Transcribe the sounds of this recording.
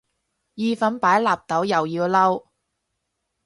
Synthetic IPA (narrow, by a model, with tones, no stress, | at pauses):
jiː˨fɐ˨˥npaː˨˥jlaː˨p̚t̪ɐ˨˥wjɐ˨wjiː˧wlɐ˥w